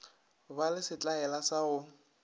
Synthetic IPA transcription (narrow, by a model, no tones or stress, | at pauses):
balɪsɪt͡ɬʼaɛlasaʊ